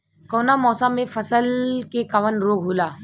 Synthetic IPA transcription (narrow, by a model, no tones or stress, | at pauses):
kɔːnamɔːsãmẽfəsəlkekaʋənɾoːɡʱɦoːlaː